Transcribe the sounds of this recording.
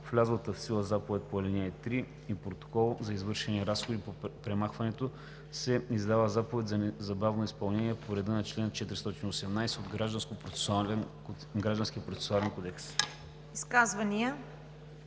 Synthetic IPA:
flʲazlˠət̪əfsilˠəzapovɛt̪̚ʲpoɐlʲɛnɛɛt̪ɾi | ipɾot̪o̥kɔlˠzɐizvɤɾʃɛniɛɾasxod̪ipopɾɛmaxvɐnɛt̪o | sɛizd̪avəzapovɛt̪ʲzɐzɐbavnoispɐlˠnɛniɛpoɾɛd̪ənɐt͡ʃlɛnt͡ʃɛt̪ɾist̪ɔt̪iniosɛmnajsɛod̪ɡɾaʒd̪ənskopɾo̥oalɛn | ɡɾaʒd̪ənskʲiəpɾot̪sɛ̥oalɛnkod̪ɛks | iskazvɐniə

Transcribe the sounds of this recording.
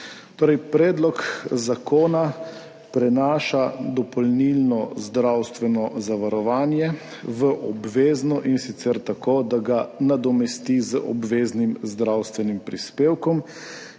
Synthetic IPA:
t̪oːɾɛjpɾɛːd̪lɔkzakoːna | pɾɛnaːʃad̪ɔpɔlnilnɔzd̪ɾawst̪ʋɛnɔzaʋaɾɔʋaːnjɛ | ʋəʔɔbʋeːznɔʔinsit̪sɛɾt̪akoːd̪aɡanad̪ɔmɛst̪izəʔɔ̰bʋeːznimzd̪ɾawst̪ʋɛnimpɾispeːwkɔm

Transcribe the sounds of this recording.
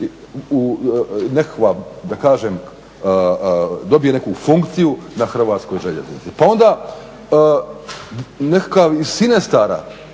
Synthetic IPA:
unekʋad̪akaːʒem | d̪o̞bije̞nekufuŋkt̪sijunaxr̩ʋaːt̪sko̞jʒe̞ʎe̞̰znḭt̪sipao̞nd̪a | nekakaʋisinest̪aɾa̰

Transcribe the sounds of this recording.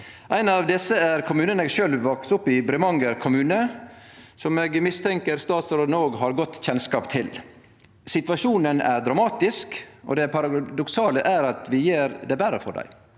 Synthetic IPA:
ʔæɪnɑʋd̪ɪsəæɾkʰʊmʉːnənəʂøːlʋːɔksʊpːɪbɾɪmɑŋɡəɾkʰʊmʉːnə | sɔmeːɡmɪst̪ʰɛŋkəɾst̪ɑːt̪sɾoːd̪noːɡɦɑɾɡɔt̪ːçɛnskɑːpt̪ʰɪl | sɪt̪ʋɑʂuːnənæ̰ɾd̪ɾɑmɑːt̪ɪskɔ̰d̪ɛpʰɑɾɑd̪ɔksɑːləʔæɾɑt̪ʰʋɪjeːɾd̪ɛbæɾə̰fɔ̰ɖæ̰ɪ

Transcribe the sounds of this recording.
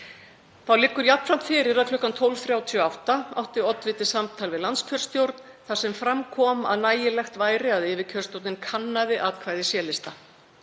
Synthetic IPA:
θawlɪkːʏɾjapn̥fɾam̥t̪fɪːɾɪɾaðkʰlʏhkant̪ʰowlvθɾjaːwt̪ʰɔawht̪aa̰wht̪ɪɔt̪vɪt̪ɪ̥samt̪ʰaːlvɪðlant̪scʰœr̥st̪jowɾt̪n | θḁsɛmfɾamkʰɔːma̰ðnaːjɪlɛxt̪vaːjɾɪaðɪːvɪcʰœr̥sowt̪nɪnkʰanːaðɪʔaːt̪kʰvaːjðɪsjɛːlɪst̪a

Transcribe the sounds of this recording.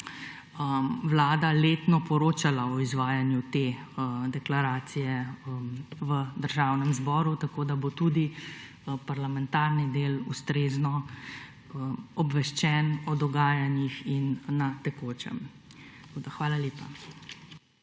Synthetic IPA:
əwlaːd̪aleːt̪nɔpɔɾoːt͡ʃalaɔizʋaːjanjut̪e | əd̪ɛklaɾaːt̪sijɛəmʋəd̪əɾʒaːwnɛmzbɔːɾut̪akoːd̪abot̪ud̪i | paɾlamɛnt̪aɾnid̪eːlust̪ɾeznɔ | əɔbʋɛʃt͡ʃɛnɔd̪ɔɡaːjanjixinːat̪ɛkoːt͡ʃɛ̰m | t̪koːd̪axʋaːlaleːpa

